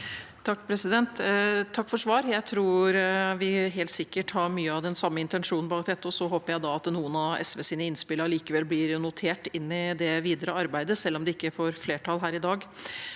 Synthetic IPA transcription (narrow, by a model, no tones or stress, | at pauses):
t̪ʰɑkːpʰɾɛsɪd̪ɛnt̪t̪ʰːɑkːfɔʂʋɑːɾjæɪt̪ʰɾuːɾʋɪɦeːlt̪sɪkːəʈhɑɾmyːəɑʋd̪ɛnsɑmːəɪnt̪ɛnʂuːnn̩bɑːk̚d̪ɛt̪ːəɔsɔɦoːpəɾjæɪd̪ɑɑt̪nuːənɑɛ̰sʋɛːsiːnəɪnspɪləɾɭiːkəʋɛlːblɪɾnʊt̪ʰeːʈɪnːɪd̪ɛʋiːd̪əɾəɑɾbæɪd̪əsɛlːɔmd̪ɛɪkːəfoːɾfleːʈʰɑlɦæːɾɪd̪ɑːɡ